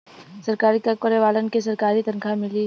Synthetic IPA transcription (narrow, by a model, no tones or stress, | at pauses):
sɐɾkaːɾit̪akəɾeʋaːlənkes̬ɐɾkaːɾit̪ɐnkʰamɪli